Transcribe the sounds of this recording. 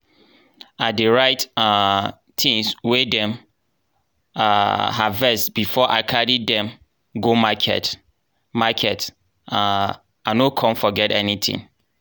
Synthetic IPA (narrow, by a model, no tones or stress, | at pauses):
adeɹaɪta | tʰĩŋswɛdɛ̃m | aɦa̰vɛsbifɔʔa̰ɪkʰaɾiddɛ̃m | ɡomakʰɛ̰t | makʰɛt | a | anokʰɔ̃mfɔɡɛtɛnitʰḭ̃ŋ